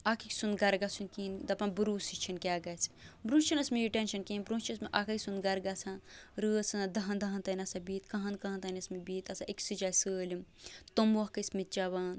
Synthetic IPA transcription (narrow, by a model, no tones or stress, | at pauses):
akʰiksund̪ɡɐɾɡasunkind̪ɐpɐnbuɾuːsit͡ʃʰinkʲaɡɐt͡sʰbɾũːsʲt͡ʃʰinɐsmijiʈenʃɐnkeːnbɾũːnst͡ʃʰiɐsmeʔakɐkʲsund̪ɡɐɾɡasʰãnɾəːsɐnd̪ɐɦɐnd̪ɐɦɐnt̪ɐnʲɐsɐbiːt̪kɐɦɐnkɐɦɐ̃nt̪ɐnʲɐsmibiːt̪ɐsaʔekʲsɨd͡ʒaːsəːlʲimt̪omʋɐɦkɐsmit̪̚t͡ʃɐʋaːn